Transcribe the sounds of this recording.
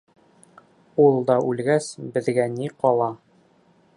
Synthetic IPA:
ulˠd̪ɑʔʉlɡæsbɘ̆ðɡæniqɒlˠɑ

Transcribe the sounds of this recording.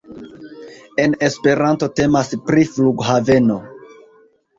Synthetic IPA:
e̞ne̞spe̞ɾanto̞te̞maspɾifluɡɦave̞no̞

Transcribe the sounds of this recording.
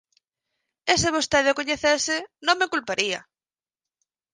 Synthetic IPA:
esɪβost̪ɛðokoɲeθesɪnõŋmekulpaɾiɐ

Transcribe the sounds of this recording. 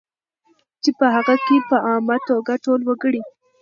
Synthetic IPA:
t͡ʃepəɦaɣakepəʔɑmat̪oɡaʈolwəɡəɽi

